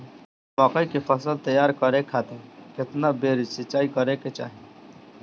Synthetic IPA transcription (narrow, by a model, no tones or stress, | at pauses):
maːkəikepʰəsəlt̪əjaːɾkəɾekʰaːt̪ekɪt̪nabeːɾisɪt͡ʃaːikəɾeket͡ʃa̰ːɦi